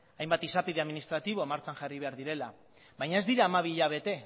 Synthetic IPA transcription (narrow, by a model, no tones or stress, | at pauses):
ajmbat̪isapiðeaðminist̪ɾat̪iβ̞o̞maɾt͡saŋʝariβe̞aɾðiɾe̞la | βajɲae̞zd̪iɾaːmaβ̞iːʎaβ̞e̞t̪e̞